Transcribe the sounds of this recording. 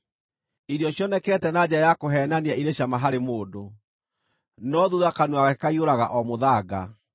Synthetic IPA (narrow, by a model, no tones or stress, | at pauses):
iɾiɔɕjɔnɛkɛːtɛnad͡ʑɛɾajakoɦɛːnaniaiɾeɕjamaɦaɾemoːdo | nɔðuðakanuaɣakaioɾaɣa̰ʔɔmoðaɡa̰